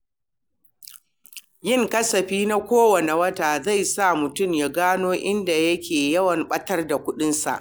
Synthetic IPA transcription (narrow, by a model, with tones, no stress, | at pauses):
jɪ˦˨ŋkɐ˦sɐ˨ɸiː˦na˦kʷoː˦wɐ˨ne˨wɐ˦taː˨za˦˨jsa˦˨mʊ˨tʊ˦˨mjaː˦ɡaː˦noː˦ʔɪ˦nda˨jɐ˦kʲʰeː˨jɐ˦wɐ˨mɓɐ˦tɐ˦rda˨kʷʊ˦ɗɪ˦nsa̰˨ʔ